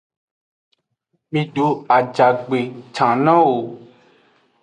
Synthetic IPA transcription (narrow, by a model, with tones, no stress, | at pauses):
mĩ˧ɖo˨˦a˨d͡ʒa˨ɡ͡be˨t͡ʃã˨nã˦wo˨